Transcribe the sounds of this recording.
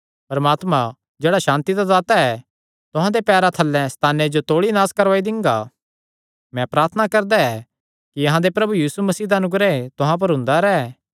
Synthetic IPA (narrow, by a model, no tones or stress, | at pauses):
pɐɾɐmaːt̪mã | d͡ʒeːɽaʃãːnt̪id̪ad̪aːt̪aɛ | t̪ʊɦãd̪epɛːɾat̪ʰɐlːɛ̃st̪ʰaːnːed͡ʒot̪oːɽinaːskɐɾʋaːid̪ɪ̃ŋɡa̰ː | mɛ̃pɾaːɾt̪ʰənakɐɾd̪aɛ | kiɐɦãd̪epɾɐbujiːsumɐsiːd̪aɐnʊɡɾɛet̪ʊɦãp̬ɐɾɦʊ̃nd̪aɾɛː